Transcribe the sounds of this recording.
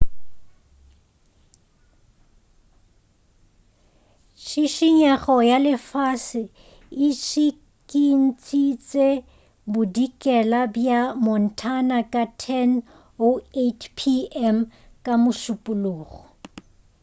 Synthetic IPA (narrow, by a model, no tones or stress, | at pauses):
ʃiʃiɲaχɔjalɪfasɪ | ɪʃi | kʼin̩t͡sʼit͡sʼe | bʊdikʼɛlabjamɔn̩tʰanakʼatʰɛn | oetʰpʰiɛm | kʼamʊʃʊpʼʊloːɣɔ